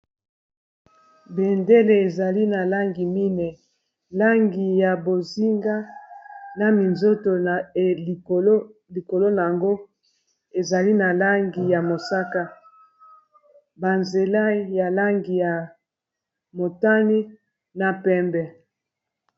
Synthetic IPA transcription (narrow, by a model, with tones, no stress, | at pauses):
be˨nde˦le˨e˨za˨li˦na˨la˦ŋɡi˨mi˦nɛ˨ | la˦ŋɡi˨ja˨bo˨zi˦ŋɡa˦ | na˨mi˨nzo˦to˨˦li˨ko˨lo˦na˨a˨ŋɡo˦ | e˨za˨li˦na˨la˦ŋɡi˨ja˨mo˨sa˦ka˦ | ba˨nze˨la˦ja˨la˦ŋɡi˨ja˨ | mo˨ta˦ni˦ | na˨pɛ˦mbɛ˨